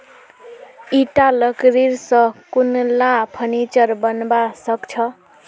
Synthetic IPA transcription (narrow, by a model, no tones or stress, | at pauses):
iʈalʌkɾiɾsʌ̃kunlapʰʌnit͡ʃʌɾbʌnbasʌkt͡ʃʰʌ